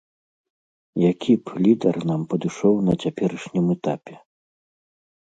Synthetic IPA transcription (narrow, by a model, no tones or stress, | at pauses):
jakʲiplʲid̪ɐrn̪ampɐd̪ɨʂɔwnɐt͡sʲapʲɛɾɨʂnʲimɛt̪apʲɛ